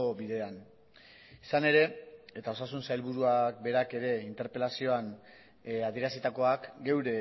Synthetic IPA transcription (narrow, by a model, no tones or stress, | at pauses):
obiðe̞an | isane̞ɾe̞e̞t̪ao̞sasunsajlβuɾuak̚be̞ɾake̞ɾe̞int̪e̞ɾpe̞lasio̞an | að̞ieɾasit̪ako̞akɡe̞wɾe̞